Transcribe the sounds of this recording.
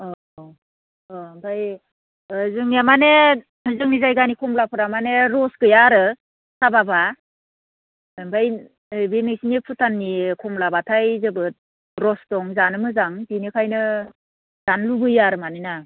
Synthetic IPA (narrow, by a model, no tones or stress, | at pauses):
ɔ | ɔbaj | zɯŋamane | zɯŋnizajɡanikʰɔmlapʰɯɾamaneɾɔsɡɯjaɾɯ | sababa | mbaj | binɯjsinipʰutʰanːikʰɔmlabatʰajzɯbɯt̚ | ɾɔsdɔŋzanɯmɯzaŋbinikʰajnɯ | z̥anlubɯjaɾɯmanɯjna